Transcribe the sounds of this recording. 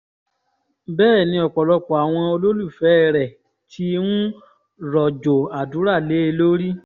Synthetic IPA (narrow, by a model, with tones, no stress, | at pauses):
bɛː˦˨nĩ˧ɔ˨k͡pɔ˨lɔ˧k͡pɔ˨a˨w̃ɔ̃˧o˧lo˦lu˦˨fɛ˦˨ɾɛ˨ | tʰi˦nũ˦ | ɾɔ˨d͡ʒo˨a˨du˨˦ɾa˦˨le˨˦e˧lo˦ɾi˦